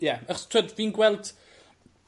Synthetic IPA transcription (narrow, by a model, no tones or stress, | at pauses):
jaəχɔstʰw̥ɛdvinɡwɛlˠd̥